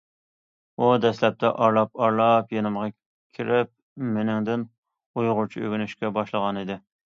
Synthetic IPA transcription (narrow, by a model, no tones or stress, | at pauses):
ud̪ɛslɛp̚t̪ʰɛʔɑɾlˠɑp̚ɑɾlˠɑpjenɪmʁɑ | kʲʰiɾɪp̚ | menɪŋd̪ɪn | ujʁʊɾt͡ʃʰiø̰ɡʲynyʃkʲɛbɑʃlˠəʁɑnid̪ɪ